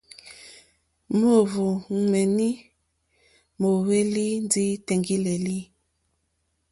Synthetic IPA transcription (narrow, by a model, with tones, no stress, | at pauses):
mo˦˨vo˨mɛ˨ni˦ | mo˨we˦li˦n˦di˦tɛ˨ŋɡi˦le˨li˦